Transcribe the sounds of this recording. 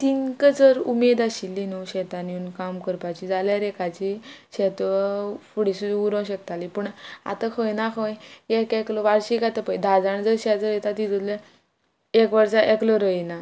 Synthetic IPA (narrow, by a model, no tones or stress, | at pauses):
t̪inkəd͡zəɾumed̪aɕilːinuwɕɛt̪anjuːnkamkəɾpat͡ɕid͡zaljaɾekat͡ɕiɕɛt̪əfuɽisud̪uuɾə̃wɕəkt̪alipəɳa̰t̪əkʰəjnakʰəjekeklɔʋaɾɕikat̪əpəjd̪ʱad͡zaɳ̃d͡zəɾɕad͡zəɾet̪at̪id͡z̪ut̪lə | ekʋəɾt͡saʔeklɔɾəjna